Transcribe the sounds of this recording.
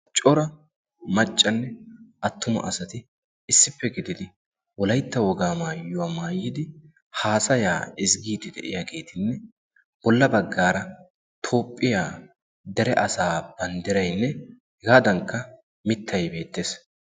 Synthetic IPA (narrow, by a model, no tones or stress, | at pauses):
t͡ʃʼɔɾɐ | mɐt͡ʃʼːɐnːɛʔɐt̪ːʊmɐ̰ʔɐsɐt̪ɪ | ɪsːɪpːɛɡɪd̪ɪd̪ɪ | wɔlɐjt̪ːɐwɔɡaːmaːjʊwamaːjːɪd̪ɪ | haːsɐjaːɪsɡiːd̪ɪd̪ɛ̰ʔɪ̰jaɡe̞ːt̪ɪnːɛ | b̥ɔlːɐbɐɡːaːɾɐ | t̪ʰo̞ːpʼːɪjaː | d̪ɛɾɛʔɐsaːb̥ɐnd̪ɪɾɐjnːɛ | ɡaːd̪ɐŋkːɐ | mɪt̪ːɐjbe̞ːt̪ːeːs